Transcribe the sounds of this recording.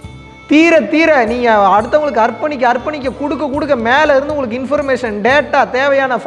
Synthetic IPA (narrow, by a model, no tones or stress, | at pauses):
t̪iːɾɐt̪iːɾɛniːŋɡɐːɽɯt̪ːɐʋŋɡɐɭɯkːɯɐɾpːɐɳɪk̬ʲːɯɐɾpːɐɳɪk̬ʲːɐkʊɽɯkːɐkːʊɽɯk̬ːɐmeːlɐɪɾɯnd̪ɯʊŋɡɐɭɯkːɯɪnfɐɾmeːʂɐnɖeːʈːaːt̪eːʋɐjaːnɐf